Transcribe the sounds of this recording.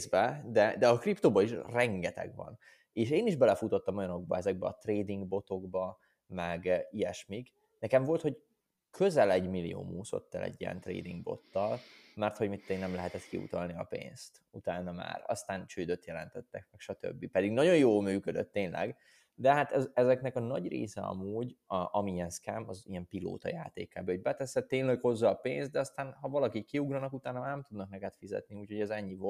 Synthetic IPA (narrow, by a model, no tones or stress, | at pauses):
zbɛd̪ɛd̪ɛɒkript̪oːbɒiʃrɛŋɡɛt̪ɛ̰ɡʋɒ̰n | eːʃeːniʒbɛlɛfut̪o̞t̪ːɒmojɒno̞ɡ̚bɒ̰ɛzɛɡ̚bɛɒt̪reːd̪iŋɡbo̞t̪o̞ɡbɒ | mɛɡijɛʃmiɡ | nɛkɛɱvo̞lt̪ho̞ɟ | kʰø̞zɛlɛɟmilːijo̰ːmuːso̞̰t̪ːɛlɛ̰ɟːijɛ̰nt̪rḛːd̪iŋɡbo̞̰t̪ːɒlmɛrt̪ho̞ɟmit̪ːenɛmlɛɦɛt̪ɛt̪kiṵt̪ɒlniɒ̰pḛːnst̪ut̪aːnːɒma̰ːɾɒ̰st̪aːnt͡ʃøːd̪øt̪jɛlɛnt̪ɛt̪ːɛkmɛkʃɒt̪ø̰bːipɛd̪iɡnɒɟo̞jjoːlmyːkød̪øt̪ːeːnlɛ̰ɡ | d̪ɛɦat̪ɛzɛzɛknɛkɒnɒɟrḛːsɛɒ̰muːɟʔɒmiɛnskɛmɒziɛmpilo̰ːt̪ɒ̰jaːt̪ḛːkaːbɛoɟ̚bɛt̪ɛsɛt̪ːeːnlɛkho̞zːɒpeːnst̪d̪ɛɒst̪aːnhɒvɒlɒkikkːiuɡrɒnɒkut̪aːnɒmaːɾnɛmt̪ud̪nɒk̚nɛkɛt̪fizɛ̰t̪niuːchoɟɛzɛɲːivo